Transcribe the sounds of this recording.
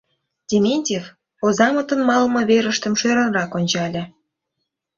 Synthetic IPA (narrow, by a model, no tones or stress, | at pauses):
dʲemʲenʲtʲef | ozɑmət̪ə̆nmɑlmɤ̆βeɾə̆ʃt̪ə̆mʃøɾə̆nrɑkonʲt͡ɕɑlʲĕ